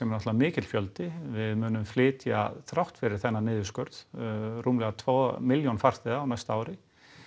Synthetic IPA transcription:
ɛmɛɾnɔht̪avamɪːcɪt̪l̥fjœlt̪ɪvɪðmʏːnʏmflɪːt̪ja̰θɾawht̪fɪɾɪɾ̥θɛnːanɪːðʏskœɾðruːmlɛɣat̪ʰvɔːmɪljɔnfar̥t̪ɪðaːwnajst̪aaːwɾɪ

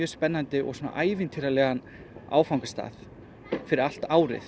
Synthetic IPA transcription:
jœːspɛnːant̪ɪʔɔ̰sona̰ʔaːjvɪnt̪ʰɪɾalɛɣan | a̰ːwfawŋkast̪a̰ːθ | fɪɾɪɾal̥t̪aːwɾɪ̰θ

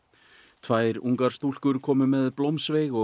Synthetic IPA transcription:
t̪ʰvaːjɾuŋkaɾ̥st̪ul̥kʏɾkʰɔːmʏmɛðplowmsvejɣɔ

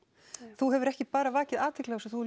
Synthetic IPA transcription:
θuɦɛvʏɾɛhcɪpaːɾavaːcɪðaːt̪ʰɪklaɣsɔθu

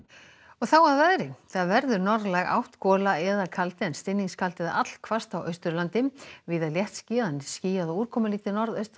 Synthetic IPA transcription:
ɔɣθawaðvɛðɾɪθaðvɛɾðʏɾnɔɾðlɛɣa̰wht̪kɔːlaɛðakʰalt̪ɪɛnst̪ɪnːiŋskʰalt̪ɪða̰at̪l̥kʰv̥ast̪awʔœ̰ɥst̪ʏɾlant̪ɪmvɪðaðljɛht̪sciːðanɪ̥sciːjaðɔuːɾkʰɔːmʏliːt̪ɪnɔɾðœɥst̪

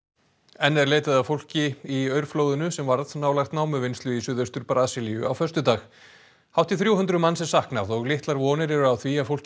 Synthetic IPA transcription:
ɛnːɛɾleːjt̪aðawfowl̥cɪiœɥɾ̥floːwðʏnʏsɛmvaɾðnaːwlajxt̪naːwmʏvɪnst̪lʏviːsʏðœst̪ʏɾpaɾaːsɪlijʏʔawfœst̪ʏt̪aːx | hawt̪ɪθɾjuwɦʏnt̪ɾʏmanːsɛ̥sahknaðɔɣlɪht̪laɾvɔːnɪɾɛɾʏawθviafowl̥c

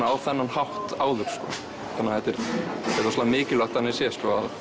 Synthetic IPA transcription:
awθɛnːanhawht̪aːwðʏɾ̥skɔ̰ː | θanːahɛt̪ɪɾɛt̪ːaslaamɪːcɪlaht̪ːanɪsjɛskɔað

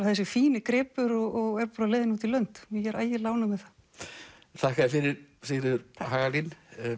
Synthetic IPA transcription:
θɛs̬ːɪfiːnɪkɾɪːpʏɾɔɣɔɣɛɾpaɾaleːjðɪnuːt̪ilœn̥t̪mɪçɛɾʔaːjɪlaːwnamɪðθa | θahkaðɪfɪɾɪɾsɪnɪʏɾhaːɣalin

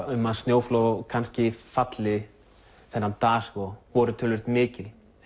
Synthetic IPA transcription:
ʏmːaðst̪joːwflokʰanscɪfat̪lɪ | θɛnːant̪aːskɔvɔɾʏt̪ʰʏlvɪɾ̥t̪mɪːcɪl

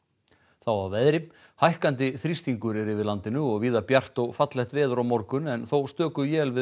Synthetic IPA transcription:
θawavɛðɾɪ | hajhkant̪ɪθɾist̪iŋkʏɾɛɾɪvɪðlant̪ɪnʏɔɣviːðapjar̥t̪ɔɣfat̪lɛht̪vɛːðʏɾawmɔɾkʏnɛnθowst̪œːkʏjɛːlvɪ

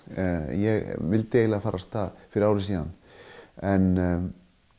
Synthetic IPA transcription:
jɛɣvɪlt̪ejlafaːɾast̪aðfɪɾɪɾawɾɪsiːða̰n | ɛn

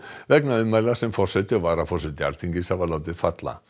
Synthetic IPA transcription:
vɛknaʏmajlasɛmfɔr̥sɛt̪ɪɔvaːɾafɔr̥sɛt̪ɪa̰lt̪ʰiɲcɪsavalawt̪ɪfat̪la̰

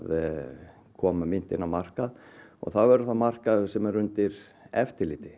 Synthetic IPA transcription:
ð | kʰɔːmamɪn̥t̪ɪnːawmar̥kaðɔ̰ɣθawvɛɾʏθamar̥kasɛmɛɾʏnt̪ɪɾ | ɛft̪ɪɾliːt̪ɪ

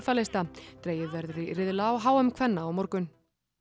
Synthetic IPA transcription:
faːlɪst̪at̪ɾeːjɪðvɛɾðɾɪrɪðlaːwɦaːwʏmkʰvɛnːaːwmɔɾkʏn

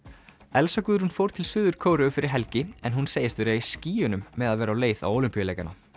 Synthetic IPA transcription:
ɛlsakʏːðʏɾunfowɾt̪ʰɪlsʏːðʏɾ̥kʰoːwɾʏfɪɾɪɾ̥ɦɛlcɪɛnɦunseːjɪst̪vɪɾaisciːʏnʏmːɛðaðvɛːɾawleːjθa̰woːwlʏmpijalejkana̰

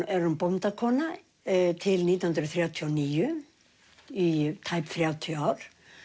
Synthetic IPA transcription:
ɛɾʏmpɔmt̪akʰɔːna | t̪ʰɪlniːt̪ahʏnɾʏθɾjaːwt̪ʰiɔniːjʏ | it̪ʰajpθɾjaːwt̪ʰiɔaːwɾ̥

